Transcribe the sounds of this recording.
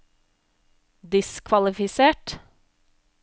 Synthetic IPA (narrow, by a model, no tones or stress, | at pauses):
d̪ɪskʰʋɑlɪfɪseːʈ